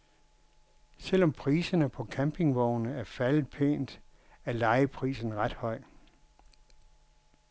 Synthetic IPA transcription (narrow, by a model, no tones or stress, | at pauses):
sel̰ɒ̽mpʰʁiːsɐnəpʰɒ̽kʰæmpʰe̝ŋʋɒʊnəæɐfælð̩ˠpʰḛːnd̥ | æɐlɑ̈ɪəpʰʁḭːsn̩ʁɑd̥hɒ̽ɪ̰